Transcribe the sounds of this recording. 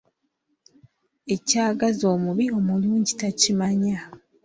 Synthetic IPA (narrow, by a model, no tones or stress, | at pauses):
e̞caːɡazo̞ːmuβio̞muluːɲɟitacimaɲa